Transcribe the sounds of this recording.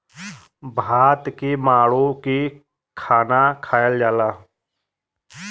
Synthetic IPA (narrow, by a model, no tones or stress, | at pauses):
bʱaːt̪kemaːɽoki | kʰaːnakʰaːjəld͡ʒaːlaː